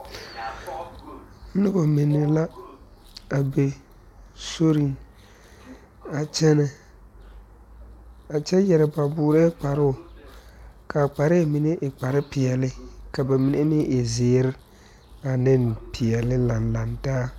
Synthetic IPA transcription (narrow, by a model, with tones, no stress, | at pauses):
nɪ˦ba˨mɪ˨nːɪ˨la˦ | a˨be˨ | so˦ɾi˦ŋ | a˨t͡ʃɛ˦nɛ˨ | a˨t͡ʃɛ˦jɛ˨ɾɪ˨ba˨bʊː˨ɾɛ˦k͡pa˨ɾʊ˦ʊ˨ | ka˨k͡pa˨ɾɪ˦˨mɪ˨ne˦ʔɪ˨k͡pa˨ɾɪ˦pɪ˨ɛ˨lɪ˦ka˨ba˨mi˨ne˦mɪ˦ɪ˨zɪː˨˦ɾɪ˦ | a˨nɪ˦npʰɪ˨ɛ˨lɪ˦la˨nla˨ntaː˦